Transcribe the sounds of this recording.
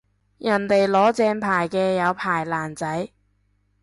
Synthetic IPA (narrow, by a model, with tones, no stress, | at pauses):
jɐ˨˩nt̪e˨jlɔː˨˥t͡sɛː˧npʰaː˨˩jkɛː˧jɐ˨˧wpʰaː˨˩jlaː˨˩nt͡sɐ˨˥j